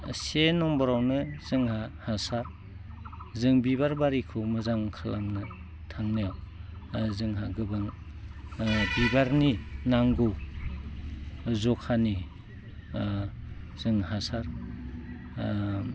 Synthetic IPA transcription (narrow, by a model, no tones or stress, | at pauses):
senɔmbɔɾawnɯz̥ɯŋhahasaɾ | zɯŋbibaɾbaɾikʰɯmɯzaŋkʰalamnɯ | tʰaŋnajaw | zɯŋɦaɡɯbaŋ | bibaɾninaŋɡɯw | zɔkʰani | z̥ɯŋhasaɾ